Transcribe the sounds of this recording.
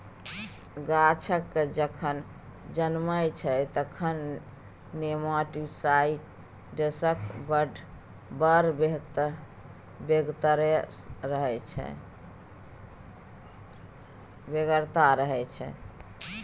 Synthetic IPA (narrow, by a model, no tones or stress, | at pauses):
ɡat͡ʃʰəkːd͡ʒəkʰən | d͡ʒənməjt͡ʃʰɛt̪əkʰənː | emaʈisaiʈ | ɖesəkbəɖ | bəɾbeɦt̪ | beɡt̪əɾəɾəɦɛt͡ʃʰɛ̰ | beɡəɾt̪aɾəɦɛt͡ʃʰɛ̰